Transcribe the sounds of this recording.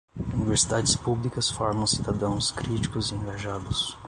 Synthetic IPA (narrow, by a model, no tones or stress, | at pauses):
univeɾsid̪ad͡ʒɪspublikɐsfɔɾmɐ̃w̃sid̪ad̪ɐ̃w̃skɾit͡ʃi̥kʊziẽŋɡaʒad̪ʊs